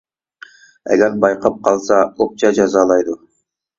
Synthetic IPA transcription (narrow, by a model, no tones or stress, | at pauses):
ɛ̰ɡʲɛɾbɑjqʰɑp̚qʰɑlˠsɑop̚t͡ʃʰɑd͡ʒɑzɑːlˠɑjd̪u